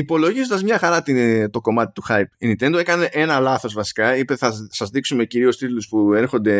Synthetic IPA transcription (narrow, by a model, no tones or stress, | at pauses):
ipo̞lo̞ʝizond̪ɐzmɲɐxɐɾɐt̪it̪o̞ko̞mɐt̪i̥t̪uxɐjpinit̪e̞nd̪oe̞kɐne̞ʔe̞nɐlɐθo̞zvɐsi̥kɐipeθɐsɐzðiksume̞ciɾio̞st̪it̪uluspue̞ɾxo̞nd̪e̞